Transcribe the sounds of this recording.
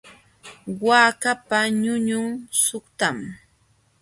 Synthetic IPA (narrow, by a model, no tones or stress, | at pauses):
waːkapaɲʊɲʊŋsʊχt̪am